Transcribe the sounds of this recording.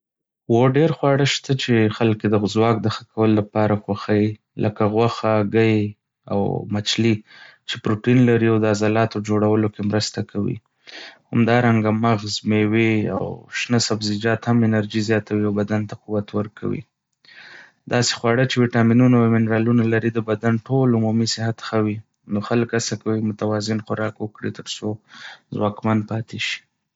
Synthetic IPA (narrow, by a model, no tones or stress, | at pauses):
woɖeɾxwɑɽəʃt̪at͡ʃexalked̪əzwɑk̚d̪əxḁkawəlolapɑɾaxwaxaji | lʔəkaɣwaxaɡaj | a̰wmat͡ʃlit͡ʃepɾoʈinlaɾiawd̪əazɑlɑt̪od͡ʒoɽawəlokemɾəst̪akʰawḭ | ha̰md̪ɑɾaŋɡamaɣzmewea̰wʃnəsabzɪd͡ʒɑt̪hamɪnaɾd͡ʒizjɑt̪awiawbad̪ant̪aquwat̪wəɾkʰa̰wḭ | d̪ɑse̥xwɑɽət͡ʃewiʈɑminunamɪnɾɑlunalaɾid̪əbad̪anʈolumumisɪhat̪xawi | noxaləkasakawimʊt̪awɑzɪnxʊɾɑkwəkɽit̪əɾsozwɑkmanpɑt̪eʃi̥